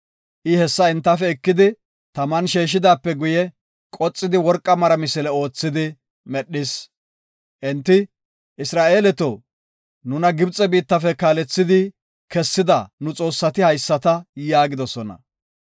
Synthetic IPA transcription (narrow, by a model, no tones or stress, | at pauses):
ʔɪhɛsːɐɛnt̪ːɐfɛɛkːɪd̪ɪ | t̪ɐmɐnʃeːʃ̬ɪd̪aːpːɛɡʊjɛ | kʼɔt͡sʼːɪd̪ɪwɔɾkʼːɐmɐɾɐmɪsɛlɛo̞ːt͡sːɪd̪ɪ | mɛɗːɪs | ʔɛnt̪ːɪ | ʔɪsɾaːʔeːlɛt̪o | nʊnɐɡɪbt͡sʼɛbiːt̪ːɐfɛkaːlɛt͡sːɪd̪ɪ | kɛsːɪd̪ɐnʊt͡sʼo̞ːsːɐt̪ɪhɐjsːɐt̪ɐjaːɡɪd̪ɔsɔnɐ̰